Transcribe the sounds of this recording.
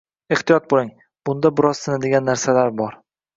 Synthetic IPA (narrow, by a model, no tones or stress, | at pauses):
e̞ht̪ijɒt̪̚bolˠɪŋ | b̥ʊnd̪abɪɾɒz̥sɪnad̪eɡʲanːaɾsalaɾbɒɾ